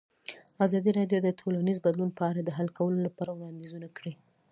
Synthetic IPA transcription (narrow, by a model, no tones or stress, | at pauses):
azɑd̪iɾɑɖjod̪ətʰolanizbad̪lunpəaɾad̪əɦalkʰawəlolapɑɾawɽɑnd̪izunakɽi